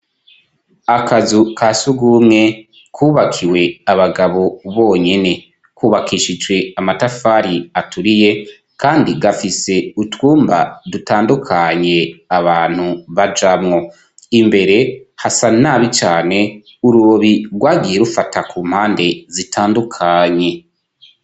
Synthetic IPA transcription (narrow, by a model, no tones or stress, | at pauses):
akazukʰasuɡumŋe̞ | kʰuːβakʰiwe̞aβaɡaβo̞βo̞ːɲe̞ne̞ | kuːβakʰiːʃid͡ʒwe̞amatafaːɾiatʰuɾije̞ | kaːndiɡafise̞utwuːmba̰dutaːndukʰaɲe̞aβaːn̥huβad͡ʒamŋo̞ | imbe̞ɾe̞hasanaːβit͡ʃaːne̞ | uɾuoβiɾɡwaːɡije̞ɾufatʰakuːm̥haːnde̞zitʰaːndukʰaɲe̞